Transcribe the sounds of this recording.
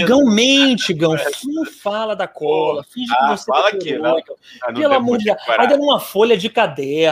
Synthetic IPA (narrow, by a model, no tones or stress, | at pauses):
ɡɐ̃w̃mẽt͡ʃɪɡɐ̃w̃fĩnfalɐd̪ɐkɔlɐfiʒkɪvoseeokɐ | ɛlɐmud͡ʒiaãd̪ɐ̃ũmɐfoʎɐd͡ʒɪkad̪ɛ